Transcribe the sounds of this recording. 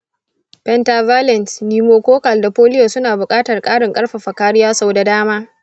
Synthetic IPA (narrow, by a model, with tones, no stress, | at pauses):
pɛ˦nta˨vaː˦lɛ˨nsniː˨moː˨˦kʷoː˦kɐ˨lda˨ɸoː˦lɪ˦joː˨sʊ˦naː˨bʊ˨kʼaː˦tɐ˨rkʼaː˦ɽɪ˨ŋkʼɐ˦rɸa˨ɸɐ˨kaː˦ɽɪ˦jaː˦sa˦˨wda˨daː˦maː˦